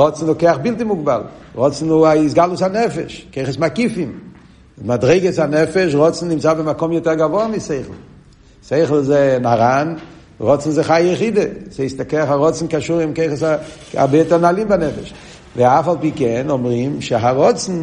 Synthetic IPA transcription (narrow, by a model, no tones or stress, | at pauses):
ʁɔt͡sn̩okeɪaχbɪlˠtɪmuɡ̚balˠʁɔt͡sn̩uaɪs̬ɡalˠusanɛfɛ̰ʃkeɪχəsmakifɪm | madʁeɪɡəsanɛfɛʃ̬ʁɔt͡sn̩dɪmt͡sabɪmakɔmjɔtɛʁɡavɔamɪseɪχl̩ˠ | seɪχl̩ˠzenaʁan | ʁɔt͡sn̩zɪχajəχidəseɪstakeɪaχaʁɔt͡sn̩kaʃuʁɪmkeɪχəsa | a̰bjɛtənalˠimbanɛfɛʃ | veafalˠpiːkɛnɔmʁimʃɪɦaʁɔt͡sn̩